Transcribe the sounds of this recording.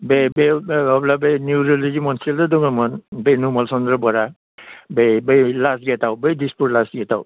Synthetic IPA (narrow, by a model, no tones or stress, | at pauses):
bebeɔblabenjuɾɔlizimɔnsildadɔŋamɔnbenumɔlsɔndɹɔbɔɾa | bebejlasɡɛtawbejdisputlasɡɛtaw